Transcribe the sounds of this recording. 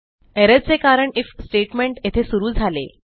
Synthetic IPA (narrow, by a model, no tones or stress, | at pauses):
eɾəd͡zt͡sekaɾəɳifsʈeʈmeɳʈjet̪ʰesuɾuːd͡zʱalḛ